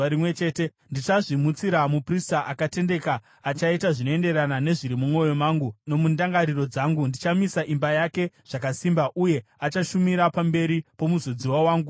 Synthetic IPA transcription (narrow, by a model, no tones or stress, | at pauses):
aɾimwet͡ʃe̞ːte | ndit͡ʃaʐimut͡siɾamupristaʔakate̞nde̞kaː | t͡ʃaitaʐinoe̞nde̞ɾanane̞ʐiɾimumwo̞jo̞maːŋɡuno̞mundaŋɡaɾiro̞d͡zaːŋɡundit͡ʃamisaʔimbajake̞ | ʐ̥akasiːmbaʔuje̞at͡ʃaʃumiɾapambe̞ɾipo̞muzod͡ziwawaːŋɡu